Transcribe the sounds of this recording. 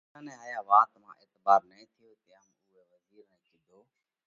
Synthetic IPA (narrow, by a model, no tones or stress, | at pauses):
ãːnɛ̃ːaːjaːʋaːt̪mã̰ːʔeːt̪baːɾnəĩːt̪ʰɪjoːt̪eəmʊɦeːʋəziːɾnə̃ːkid̪ʱoː